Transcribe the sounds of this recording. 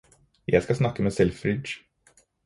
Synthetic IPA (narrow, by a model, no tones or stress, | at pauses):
ja̰ːɡskasnakːameːsɛlfɾɪʃ